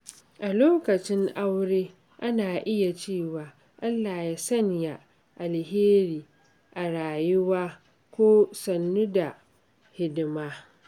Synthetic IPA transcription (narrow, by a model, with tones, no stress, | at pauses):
ʔa˨loː˦kɐ˨t͡ʃɪ˦ŋʔa˦wɽeː˦ | ʔa˦naː˨ʔɪ˦ja˨t͡ʃeː˦˨waː˨ | ʔa˦lːaː˨ja˦sɐ˦ɲja˦ | ʔa˨lheː˦ɾiː˨ | ʔa˨ɽaː˨jʊ˦waː˦ | kʷoː˦sɐ˨nːu˦da˨ | hɪ˦dɪ˦maː˦